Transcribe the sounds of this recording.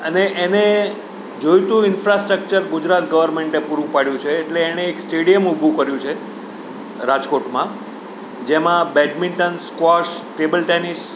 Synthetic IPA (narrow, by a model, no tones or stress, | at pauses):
əneʔene | d͡ʒojt̪ũɪnfɾasʈɾək̚t͡ʃəɾɡud͡ʒɾat̪ɡəʋəɾmeɳʈepuɾũpaɽjũt͡ʃʰeːʈleːñeːksʈeɽijəmubʱukəɾjũt͡ʃʰe | ɾad͡ʒkoʈmã | d͡ʒemãbɛʈmiɳʈənskaʃʈebəlʈɛnis